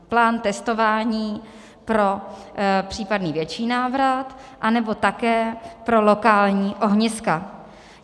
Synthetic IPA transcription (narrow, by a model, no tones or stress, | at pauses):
plaːnt̪ɛst̪o̞vaːɲiː | pɾo̞ | pr̥iːpadniːvjɛt͡ʃiːnaːvɾat̪ | ʔanɛbo̞t̪akɛːpɾo̞lo̞kaːlɲiːʔo̞ɦɲɪska